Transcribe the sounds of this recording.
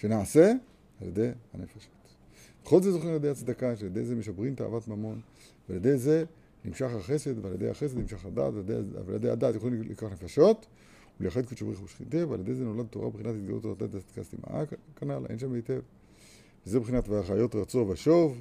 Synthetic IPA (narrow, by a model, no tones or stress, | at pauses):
ʃenaase̞ | aljed̪e̞jhanefaʃot | b̥eχolzezoχimaljedejat͡sd̪akaʃealjedejzemeʃabʁimt̪a̰ːvat̪mamo̞n | vealjed̪e̞jze̞ | nimʃaχaχe̞se̞d̪vealjed̪ejha̰χes̬ed̪nimʃaχad̪a̰ːt̪vd̪ejljḛd̪eja̰d̪aːtjeolimlḭkaχnefaʃo̞t | uleaχed̪kiʃabiχuʃχḭnt̪evaljd̪ejzeno̞lad̪̚t̪oʁa̰beχinat̪hit̪ɡa̰lṵt̪olad̪a̰t̪at͡sad̥̪ka̰st̪ima̰ʔa̰kanalʔḛnʃamejt̪ev | vezebeχinat̪baaχajo̞tʁat͡so̞veaʃo̞v